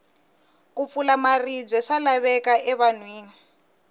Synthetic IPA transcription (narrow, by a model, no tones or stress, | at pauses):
kup̪fulamarid͡zwɛʂalaβɛkaʔɛβanweːni